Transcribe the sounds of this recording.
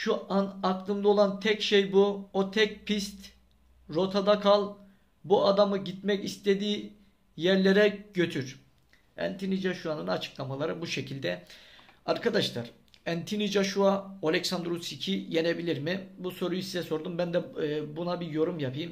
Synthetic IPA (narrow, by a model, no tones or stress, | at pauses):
ʃuʔanaklˠɯmlˠɯo̞lˠant̪ʰɛcʃejbuot̪ʰɛc̚pʰist̪ | ɾo̞t̪ʰad̪akʰalˠ | buad̪amɯɟit̪mɛcist̪ʰe̞d̪iː | jæɾlʲeɾɛɟø̞t̪ʰyɾ̥ | æ̰nt̪ʰinid͡ʒaʃuanɯnat͡ʃʰɯ̥klˠamalˠaɾɯbuʃe̞cʰilʲd̪ɛ | aɾkʰad̪aʃlˠa̰ɾ | ænt̪ʰinid͡ʒaʃuaolʲɛcsand̪ɾusicʰije̞ne̞bilʲiɾmibuso̞ɾujusizɛso̞ɾd̪umbænd̪ɛːbunabijo̞ɾumjapʰɯjɯm